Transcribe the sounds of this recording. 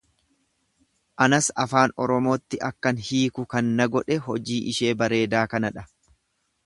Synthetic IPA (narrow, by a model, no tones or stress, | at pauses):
ʔɐnɐsɐfaːnɔɾɔmo̞ːt̪ːɪʔɐkːɐnhiːkʊkɐnːɐɡɔᶑɛɦɔd͡ʒiːʔɪʃe̞ːbɐɾe̞ːd̪aːkɐnɐᶑɐ